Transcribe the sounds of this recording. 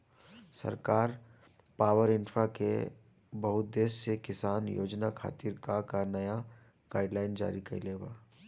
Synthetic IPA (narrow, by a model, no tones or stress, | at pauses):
sɐ̰ɾkaːɾ | paːwəɾɪ̃nfʰɾakḛ | bɐɦʊt̪̚d̪eːssekɪsaːnjo̰ːd͡ʒnakʰa̰ːt̪iɾkakanɐja | ɡ̥aːɪɖlaːɪnd͡ʒa̰ːɾikɐileːɡaː